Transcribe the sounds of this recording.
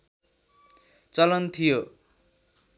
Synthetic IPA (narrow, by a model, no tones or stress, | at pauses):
t͡sʌlʌnt̪ʰijo